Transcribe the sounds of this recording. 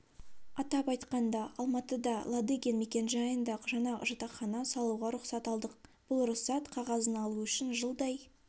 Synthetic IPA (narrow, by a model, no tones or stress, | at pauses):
ɑt̪ɑpɑjt̪qɑnd̪ɑɑlˠmɑt̪əd̪ɑlˠɑd̪eɡʲenmekʲe̞nʒɑjənd̪ɑqʒɑnɑʒɑt̪ɑχɑnɑsɑlˠuʁɑɾʊqsɑt̪ɑlˠd̪əq̚b̥ʊlˠɾʊχsɑt̪qʰɑʁɑzənɑlˠuʏʃɪnʒəlˠd̪ɑj